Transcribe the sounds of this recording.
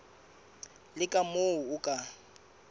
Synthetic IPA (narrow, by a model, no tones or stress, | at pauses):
lɪkʼamoʊʊkʼa